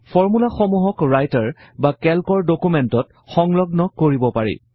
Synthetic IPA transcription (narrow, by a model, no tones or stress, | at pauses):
fɔɹmulaxɔmuɦɔkɹajtaɹ | bakɛlkɔɹdokumɛntɔt | xɔŋlɔɡnɔkoɹibɔpaɹḭ